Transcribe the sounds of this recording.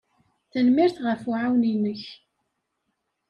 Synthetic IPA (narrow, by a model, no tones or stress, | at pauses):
θənmiɾθʁəfuʕawninəç